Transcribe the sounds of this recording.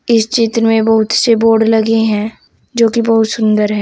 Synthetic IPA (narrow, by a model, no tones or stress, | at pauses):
ɪst͡ʃɪt̪ɾəmẽbɐɦʊt̪seboːɖlɐɡeɦɛ̃ː | d͡ʒoːkibɐɦʊt̪sʊ̃nd̪əɾɦɛ̃ː